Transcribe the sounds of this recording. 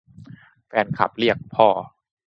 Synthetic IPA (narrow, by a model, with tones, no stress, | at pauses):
fɛː˧nkʰa̰˨˩p̚li˥˩ək̚pʰɔː˥˩